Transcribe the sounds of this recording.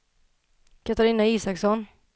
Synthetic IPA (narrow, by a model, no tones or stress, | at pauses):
kʰat̪aɾiːnaiːsaksɔn